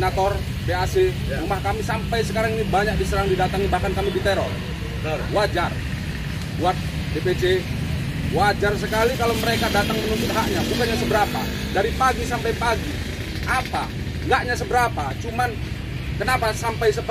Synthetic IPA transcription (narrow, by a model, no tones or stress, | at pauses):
nat̪ɔr | bease | ambahkamisampajsəkaɾaŋinibaɲak̚disəɾaŋdidat̪aŋibahkankamidit̪eɾɔ̰r | wad͡ʒar | buat̪̚ | depet͡ʃe | wad͡ʒarsəkalikalowməɾekadat̪aŋmənunt̪ʊt̪̚ɦaʔɲabukanɲasəbəɾapa | daɾipaɡisampajpaɡi | ʔapa | ŋɡaʔɲasəbəɾapat͡ʃuman | kənapasampajsəp